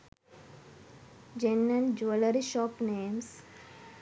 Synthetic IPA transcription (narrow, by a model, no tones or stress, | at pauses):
d͡ʒẽnːə̃nd͡ʒuələɾiʃɔːpneːms